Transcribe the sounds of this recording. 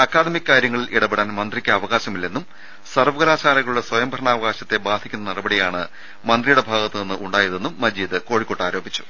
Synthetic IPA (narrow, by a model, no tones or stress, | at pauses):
ɐkːaːd̪ɐmikʲːkaːɾjɐŋːɐɭiliɽɐbeɽaːnmɐnd̪rikʲːɐɐʋɐɣaːɕɐmilːe̞nːum | sɐrʋɐɡɐlaːt͡ɕaːlɐɣɐɭuɭːɐswɐjɐmbʱɐɾɐɳaːʋɐɣaːɕɐt̪ːe̞baːd̪ʱikʲːunːɐnirɐbɐɽijaːɳɨ | mɐnd̪rijuɽe̞bʱaːɣɐt̪ːɨninːɨuɳɖaːjɐðe̞nːumːɐd͡ʑiːd̪ɨko̞ːɻikːoʈːaːɾo̞ːbʱit͡ɕːu̥